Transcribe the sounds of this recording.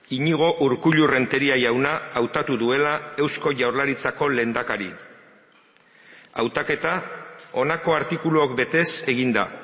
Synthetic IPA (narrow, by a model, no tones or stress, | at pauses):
iɲiɣ̞o̞ʔuɾkuʎure̞nt̪e̞ɾiajawnaːwt̪at̪uðue̞lae̞wsko̞ʝawɾlaɾit͡sako̞le̞nd̪akaɾi | a̰wt̪ake̞t̪ao̞nako̞aɾt̪ikuluokbe̞t̪e̞se̞ɣ̞ind̪a